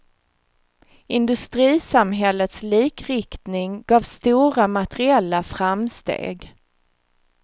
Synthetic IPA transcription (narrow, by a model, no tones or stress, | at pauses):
ɪnd̪ɵst̪ɾiːsamɦɛlːət̪sliːkɾɪkt̪nɪŋɡɑːvst̪uːɾamat̪əɾɪɛlːafɾamst̪ḛːɡ